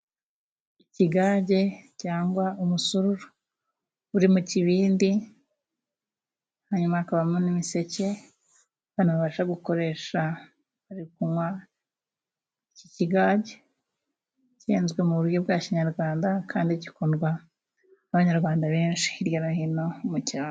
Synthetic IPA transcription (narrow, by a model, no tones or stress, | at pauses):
iciɡaːɟe̞caːŋɡwaumusuɾuɾo | uɾimuciβiːndi | haɲumaːkaβamonimise̞ce̞ | βanuβaβaʃaɡuko̞ɾe̞ʃa | βaɾikumwa | iciciɡaːɟe̞ | ceːnzɡwe̞muβuɾjo̞bɡaːciɲaɾɡwaːndakʰaːndicikonɡwaː | βaɲaɾɡwaːndaβe̞ːnʃi̥ːɾjoɾahino̞muciaː